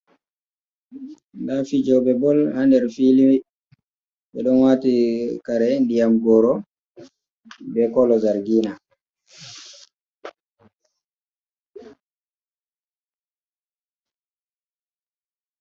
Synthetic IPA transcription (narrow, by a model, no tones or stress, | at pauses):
ndafid͡ʒɔwbɛbɔlhandɛɾfili | ɓɛɗɔnwatikaɾɛndijamɡɔɾɔ | bɛkɔlɔzaɾɡiːna